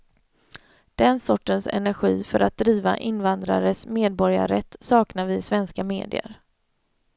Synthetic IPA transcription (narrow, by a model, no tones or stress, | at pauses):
d̪̥ɛnsɔʈːənsɛ̰næɾɧiːfœɾʔat̪̚d̪ɾiːva̰ʔɪnvand̪ɾa̰ɾəsmeːd̪̚bɔɾja̰ɾɛt̪ːsɑːknaɾvɪsvɛnskameːd̪ɪə̰ɾ